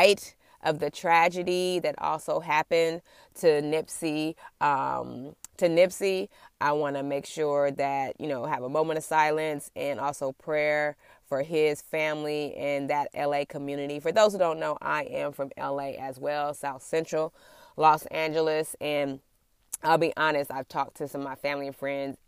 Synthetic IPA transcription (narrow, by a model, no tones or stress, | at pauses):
aɪɾ | ʔʌvðɨtʰɹ̥æd͡ʒɨɾiðɨɾʔɔ̰lˠsoʊɦæpɨ̃n | tʰɨnɪpsiʌ̃mtʰɨnɪpsiʔaɪwɑ̃nɨmeɪkʃʊɹðɨt̚jɨ̰noʊɨvəmõʊ̃mɨ̃ñʌ̥saɪlˠɨ̃nsɨ̃nɔlˠsoʊpʰɹ̥ɛɹ | fə˞ɪz̥fæ̃mliʔɨ̃nðɨɾɛ̰lˠeɪkʰəmjʉnɨɾifə˞ðoʊz̥hʉdõʊ̃nːoʊʔa̰ɪʔɨ̃ɱfɹʌ̃mɛ̰lˠeɪʔɨzwɛlˠsaʊθsɛ̃nt͡ʃɹ̥l̩ˠ | lɔsæ̃nd͡ʒl̩ˠɨsɨ̃n | aɪlˠbiʔɑnɨstaɪv̥tʰɔk̚tʰɨsʌ̃mːaɪfæ̃mlĩfɹɛ̃ndz̥